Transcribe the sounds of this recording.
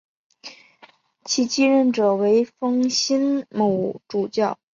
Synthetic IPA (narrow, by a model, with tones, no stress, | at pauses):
t͡ɕʰi˧˥t͡ɕi˥ɻə˥˩nʈ͡ʂɤ˨˩we˧˥ɪfɤ˥ŋɕi˥nmo˧˥ʊʈ͡ʂu˨˩t͡ɕjɑ˥˩ʊ